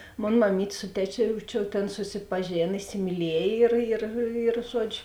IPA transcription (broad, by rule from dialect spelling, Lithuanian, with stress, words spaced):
ˈmoːn mɐˈmʲiːtʲ ˈsʊ tʲɛˌt͡ʃʲoː jɛʊ ˈt͡ʃʲɛ ˈtʲeːn sʊsʲɪpɐˈʒʲeːn ɪsʲɪmʲiːˈlʲiɛj ɪr ɪr ɪr ˈʒuɔd͡ʒʲʊ